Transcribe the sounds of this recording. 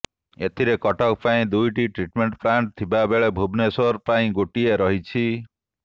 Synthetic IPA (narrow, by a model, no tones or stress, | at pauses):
et̪ʰiɾekɔʈɔkpaĩd̪ujʈiʈɾiʈmeɳʈpɾaɳʈ̚t̪ʰibabeɭebʱubnesɔɾpaĩɡoʈieɾɔɦit͡ʃʰi